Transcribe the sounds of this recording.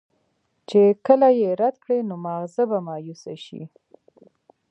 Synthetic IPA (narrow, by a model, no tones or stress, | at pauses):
t͡ʃekəlajeɾad̪kɽenomaɣzəbamɑjusaʃḭ